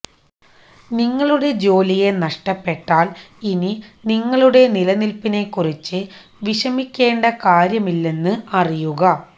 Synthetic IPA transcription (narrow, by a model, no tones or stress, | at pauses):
niŋːɐɭuɽe̞d͡ʑo̞ːlije̞nɐʂʈɐpːe̞ʈːaːlininiŋːɐɭuɽe̞nilɐnilpine̞kːurit͡ɕːɨ | ʋiɕɐmikʲːe̞ːɳɖɐkaːɾjɐmilːe̞nːɨɐrijuɣɐ